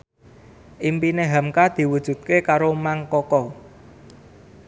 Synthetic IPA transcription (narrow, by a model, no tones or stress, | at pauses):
ʔimpineɦamkad̪̥i̤wud̥ʒ̥ṳt̪̚kekaɾomaŋkɔkɔ